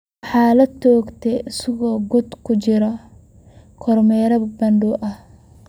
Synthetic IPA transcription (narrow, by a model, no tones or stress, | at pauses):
ħɑːlɐt̪ʰːɔːɡt̪ʰɛɪsɐɣɔːɡʊd̪kʰʊt͡ʃɪɾɐ | kʰɔrmɛːɾɐbbɐnɖuʔɐh